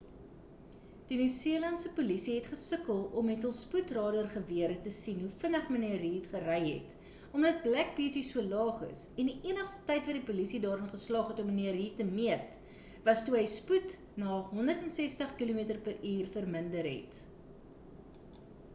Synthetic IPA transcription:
d̥inysiəlɐntsəpulisiɦɛtχəsəkəlˠɔmɛtəlˠsputrɑːdərχəviəɾətəsinɦufənəχməniəɾɦitχərɛjɦɛ̰t | ɔmdɐt̚blæk̚biːtisuəlɑːχə̰sɛndiʔiənəχstə̥tɐjtvɐdipulisidɑːɾənχəslɑːχɦɛtɔməniəɾɦiːtəmiət | vɐstuɦəjsput | nɑːɦɔndərtɛnsɛstəχkilumiətərpəriːrfərməndərɦɛ̰t

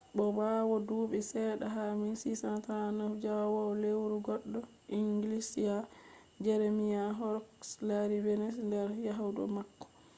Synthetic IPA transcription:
bɔbawɔduːbɛsɛɗaɦamisisantanafd͡ʒawɔlewɾuɡɔɗːɔ | ʔiŋɡilisija | d͡ʒɛɾemijaɦɔɾɔkslaɾivɛnɛsndɛɾjaɦawdɔ̰makːɔ̥

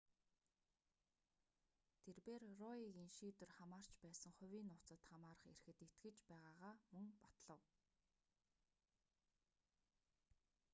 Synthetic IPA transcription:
t̪ʰerpeːrrɔiɣiːŋʃiːt̪ɵ̆rχamaːr̥t͡ɕpæːsə̆ŋχʊ̟wʲiːnːʊːt͡sə̆t̪χamaːɾə̆χḛrxɘ̆t̪it̪ɡɘ̆t͡ɕpæːʁaːʁaːmɵŋpat̪ɮə̆w

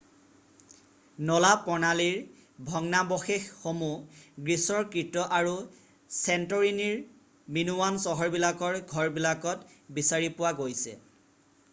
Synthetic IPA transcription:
nɔlapɔɹnaliɹ | bʱɔŋnabɔxexːomuɡɹisɔɹkɹitɔʔaɹu | sɛntɔɹiniɹ | minuwansɔɦɔɹbilakɔɹɡʱɔɹbilakɔtbisaɹipʊwaɡojsɛ̰

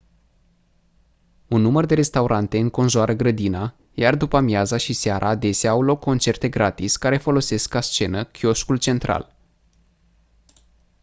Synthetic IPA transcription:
unːumərd̪e̞ɾe̞st̪auɾʔant̪e̞ɨŋko̞nʒuaɾʔəɡɾəd̪ina | jard̪upəmjazaʃiseaɾʔaːd̪e̞saːwlo̞kʰːo̞nt͡ʃe̞rt̪e̞ɡɾat̪isʲkaɾe̞fo̞lo̞se̞skast͡ʃe̞nəkʲio̞ʃkult͡ʃe̞nt̪ɾa̰l

